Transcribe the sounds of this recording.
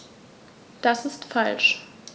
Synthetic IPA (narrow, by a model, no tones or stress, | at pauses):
d̥asɪstfalʃ